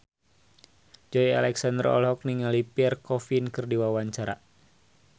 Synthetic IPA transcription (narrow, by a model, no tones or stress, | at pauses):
d͡ʒɔia̰lɛksandəɾrɔ̰lɦɔk̚niŋalipiɛrkɔfinkɨrdiwawaɲt͡ʃaɾa